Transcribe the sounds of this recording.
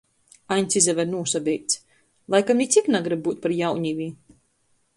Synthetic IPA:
ajnʲt̪sizɛvɛɾnuɔsabʲɛjt̪s | lˠajkamnʲit̪sʲiknaɡɾɨb̚ːuːt̪̚paɾjawɲivʲiː

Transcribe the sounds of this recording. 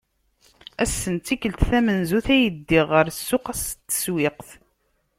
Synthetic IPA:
æsːənt̪ikəlt̪θæmənzuθæjəd̪ːiʁːəɾsːʊqæst̪ːə̥swɪqθ

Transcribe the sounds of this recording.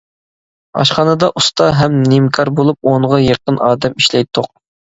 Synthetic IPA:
ɑ̰ʃχɑːnɨd̪ɑʔust̪ɑɦɛmnimkʰɑɾbolˠup̚oɴʁɑjeqənɑːd̪ɛmiʃlɛjt̪ʰːʊq̚

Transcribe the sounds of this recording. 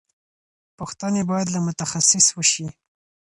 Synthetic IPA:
pʊxt̪anebɑjad̪lamʊt̪axasɪswəʃi

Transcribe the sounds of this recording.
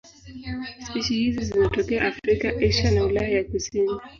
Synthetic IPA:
spiʃihizizizɔtɔkɛaʔːfɾikaʔɛʃanaulajajakusini

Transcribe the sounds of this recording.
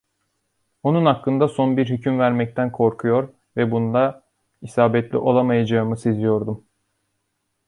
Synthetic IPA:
onunhakːɯnd̪aso̞nbiɾɦycʰymvæɾmɛc̚t̪ʰænkʰo̞ɾkʰujo̞ɾ | vɛbunud̪a | isaːbɛt̪lʲḭʔo̞lˠamajad͡ʒaɯmɯsezijo̞ɾd̪um

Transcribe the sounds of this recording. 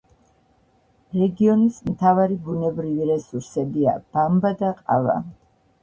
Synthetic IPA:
ɾɛɡiɔnismt̪ʰavaɾibunɛbɾiviɾɛsuɾsɛbia̰b̥ambad̪aqʼa̰va̰

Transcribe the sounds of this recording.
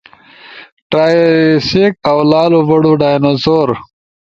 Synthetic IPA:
ʈɾaːsekawlaːluvɐɽuɖaːjnozoːɾ

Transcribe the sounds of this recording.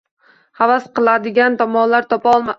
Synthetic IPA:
havasqʰɨlˠad̪ɪɡʲant̪ʰɒmɒnlaɾt̪ʰɒpʰaɒlˠma

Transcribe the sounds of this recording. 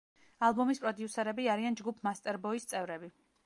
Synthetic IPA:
alˠbɔmispʼɾɔd̪iusɛɾɛbiaɾiand͡ʒɡupʰmast̪ʼɛɾbɔist̪sʼɛvɾɛbi

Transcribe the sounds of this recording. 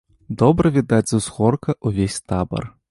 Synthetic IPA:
d̪ɔbɾɐvʲid̪ad͡zʲzuzɣɔrkɐʔuvʲesʲt̪abɐ̰r

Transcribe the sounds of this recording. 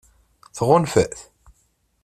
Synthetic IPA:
θʁʊnfəʔθ

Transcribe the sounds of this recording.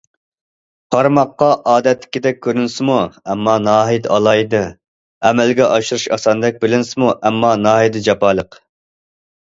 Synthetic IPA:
qʰɑɾmɑqːɑʔɑːd̪ɛt̪lːɪ̥kʲid̪ɛk̚ʲʰːøɾynsɪmuɛmːɑnɑːɦid̪ɑlˠɑjd̪ɨ | ɛmɛlɡʲɛʔɑʃuɾuʃɑsɑnɨd̪ɛk̚ʲbɪlɪnsɪmuʔɛmːɑnɑːɦid̪ɨd͡ʒɑpɑːlˠəq

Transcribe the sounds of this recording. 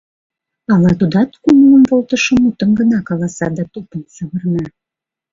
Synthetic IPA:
ɑlɑt̪ud̪ɑt̪kumuəmvolt̪əʃə̆mut̪əmɡənɑkɑlɑsɑd̪ɑt̪opənsəβərnɑ

